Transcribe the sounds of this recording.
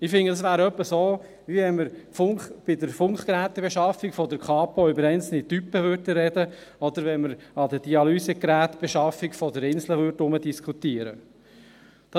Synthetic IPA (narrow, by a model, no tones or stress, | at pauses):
ɪfɪŋəd̥̪ɑsʋæːɾœpːəsoː | viɛnməɾfʊŋχb̥ɪd̪əɾfʊŋkχkɾæːt̪ːɛbeʃɑfikfɔd̪əɾkχɑːpɔʏbəɾɛɪnt͡sl̩nit̪ypːəʋʏɾtəɾɛdəɔd̪əɾʋɛnməɾɑd̪əd̥iɑlysɛkɾæːt̪b̥ɛʃɑfikfɔd̪əɾɪnsləʋʏɾtʊməd̪iskʰχut̪iəɾə̰ | d̪̥ɑ